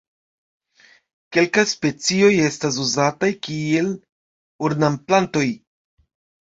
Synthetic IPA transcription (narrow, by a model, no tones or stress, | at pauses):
ke̞lkajspe̞t͡sio̞je̞stas̬uzatajkie̞l | uɾnamplanto̞j